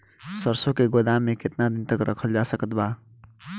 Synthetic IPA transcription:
səɾsõkeɡod̪ãmːẽkɪt̪nad̪ɪnt̪əkɾʔə̰kʰəld͡ʒasəkət̪baː

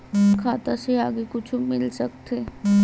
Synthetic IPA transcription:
kʰaːt̪aseaːɡekʊt͡ʃʰmɪlsɐk̚t̪eː

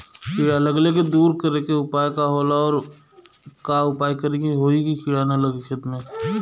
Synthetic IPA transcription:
kʰiɽaləɡlek̬ed̪uːɾkəɾekeʊpaːjkaɦoːlaɔːɾ | kaʊpaːjkəɾekiɦoːikikʰiɽanalɐɡikʰət̪mẽ

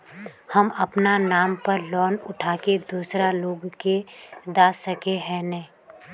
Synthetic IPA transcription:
həmɐpnanaːmpəɾlɔːnʊʈʰaːked̪uːsɾaloːɡked̪aːsəkeɦɛ̃ːnɛ̃ː

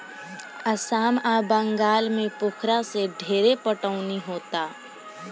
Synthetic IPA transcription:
ɐsaːmaːbə̃ŋɡaːlmẽpʊkʰɾaseɖʱeːɾepəʈəːniɦoːt̪aː

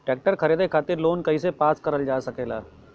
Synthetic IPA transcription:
ʈeːk̚ʈəɾkʰɐɾeːd̪ekʰaːt̪ɪɾloːnkɐɦisepaːskɐɾəld͡ʒaːsɐkeːlaː

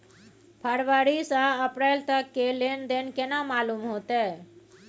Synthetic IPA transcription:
pʰəɾʋaɾisaəpɾelt̪əkːelend̪enkenãmaːlumɦot̪e

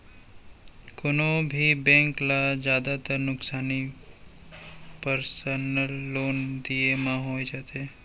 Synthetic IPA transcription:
konõbʱibɛ̃ŋklad͡ʒjaːd̪at̪əɾnʊksaːni | pəɾsənəlːoːnd̪iemãɦoːjd͡ʒat̪eː

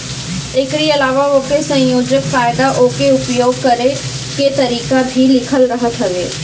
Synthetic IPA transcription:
ekɾiɐlaːʋaoːkesɐ̃joːd͡ʒəkfaːɪd̪aʔoːkeʊpjoːɡ̚kɐɾe | ket̪ɐɾiːkabʱilɪkʰəlɾɐɦət̪ɦɐʋeː

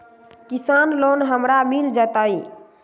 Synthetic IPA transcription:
kisanlonɦəmɾamild͡ʒət̪əj

